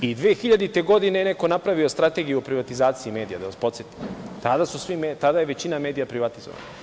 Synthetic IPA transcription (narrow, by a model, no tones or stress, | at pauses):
id̪ʋeːxiʎad̪it̪e̞ɡo̞d̪inejene̞ko̞napɾaʋio̞st̪ɾat̪e̞ɡijuopɾiʋat̪izaːt̪siime̞ːd̪ijad̪aʋaspot̪sjet̪i̥mt̪ad̪asusʋimet̪ad̪ajeʋe̞t͡ɕiname̞ːd̪ijapɾiʋat̪izo̰ʋa̰na